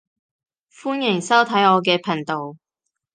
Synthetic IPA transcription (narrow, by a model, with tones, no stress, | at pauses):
fuː˥njɪ˨˩ŋsɐ˥wt̪ʰɐ˨˥jɔː˨˧k̬ɛː˧pʰɐ˨˩nt̪o˨w